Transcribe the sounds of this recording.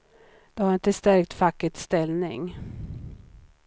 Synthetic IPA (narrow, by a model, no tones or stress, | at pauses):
d̪̥ɛhaɾɪnt̪əst̪æɾkt̪fakːət̪st̪ɛlnɪ̰ŋ